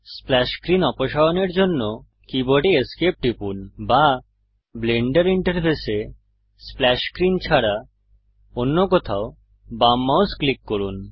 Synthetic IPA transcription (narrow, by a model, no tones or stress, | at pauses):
splɛʃkɾinɔpoʃaoneɾd͡ʑonːo | kibɔɖieskep̚ʈipunba | bleɳɖeɾiɳʈəɾpʰese | splɛʃkɾint͡ɕʰaɾa | onːokɔt̪ʰao | bamːawsklikːoɾun